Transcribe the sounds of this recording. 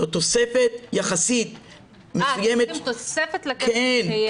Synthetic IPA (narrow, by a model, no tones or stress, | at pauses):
ot̪osefet̪jaχasit̪ | mesujemet̪tefet̪lken